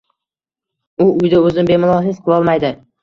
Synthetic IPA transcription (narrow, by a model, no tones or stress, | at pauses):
ʊʊjd̪aɵzɪnbe̞mʊlˠɒɦɪsqʰɨlˠɒlˠmajd̪ɪ